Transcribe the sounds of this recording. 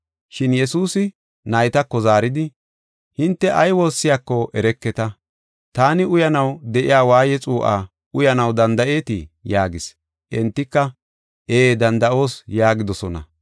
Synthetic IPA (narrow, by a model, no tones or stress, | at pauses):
ʃɪnjɛsuːsɪ | nɐjt̪ɐkːɔzaːɾɪd̪ɪ | hɪnt̪ːɛʔɐjwo̞ːsːɪjakːɔʔɛɾɛkːɛt̪ɐ | t̪aːnɪʊjɐnɐwd̪ɛʔɪ̰jaːwaːjɛt͡sʼuːʔa̰ː | ʊjɐnɐwd̪ɐnd̪ɐʔe̞ːt̪ɪ̰jaːɡɪs | ʔɛnt̪ːɪkːɐ | eːd̪ɐnd̪ɐʔo̞ːsjaːɡɪd̪ɔsɔnɐ̰